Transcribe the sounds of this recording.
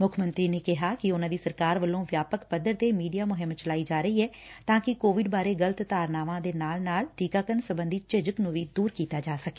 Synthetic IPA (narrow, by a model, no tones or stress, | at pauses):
mʊkʰmənt̪ɾiːneːkɪɦaːkɪʊnãːd̪iːsəɾkaːɾʋəlːõːʋjaːpəkpəd̪əɾt̪eːmiːɖijaːmʊɦɪmt͡ʃəlaːiːd͡ʒaːɾəiːɛːt̪ãːkɪkoːʋɪɖbaːɾeːɡələt̪t̪aːɾnaːʋãːd̪eːnaːlnaːlʈiːkaːkəɾnsəbənd̪iːt͡ʃɪd͡ʒəknũːʋiːd̪uːɾkiːt̪aːd͡ʒaːsəke̥ː